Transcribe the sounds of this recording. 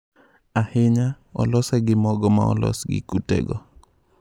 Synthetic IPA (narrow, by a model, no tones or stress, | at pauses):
ahɪɲa | ɔ̰lɔsɛɡɪmɔɡɔma̰ɔlɔ̰sɡɪ̰kutḛɡɔ